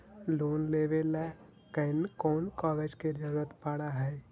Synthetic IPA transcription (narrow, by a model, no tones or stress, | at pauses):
loːnleːʋelɛ | kəɪnkɔːnkaːɡed͡ʒked͡ʒəɾuːɾət̪paɽaɦɛː